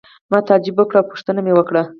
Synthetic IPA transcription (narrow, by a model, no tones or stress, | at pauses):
mɑt̪ɑd͡ʒɪbwəkɽawpu̥ʂt̪ənamewəkɽa